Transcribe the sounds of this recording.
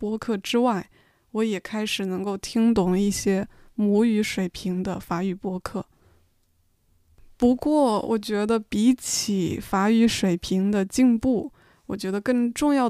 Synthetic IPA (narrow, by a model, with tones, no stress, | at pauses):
pwɔ˥kʰɤ˥˩ʈ͡ʂɻ̩˥wa˥˩ɪ | wɔ˧˥jɛ˨˩kʰa˥ɪʂɻ̩˨˩nɤ˧˥ŋko˥˩ʊt̪ʰi˥ŋt̪ʊ˨˥˩ŋi˥˩ɕjɛ˥ | mu˧˥y˧˥ʂwe˨˩ɪpʰi˧˥ŋd̪ə˧fa˧˥y˨˩pwɔ˥kʰɤ˥˩ | pu˧˥kwɔ˥˩wʔɔ̰˨˩t͡ɕɥɛ˧˥d̪ə˧pi˧˥t͡ɕʰi˨˩fa˧˥y˧˥ʂwe˨˩ɪpʰi˧˥ŋd̪ə˧t͡ɕi˥˧ŋpu˥˩ | wɔ˨˩t͡ɕɥɛ˧˥d̪ə˧kɤ˥˧ŋʈ͡ʂʊ˥˧ŋjɑ˥˩ʊ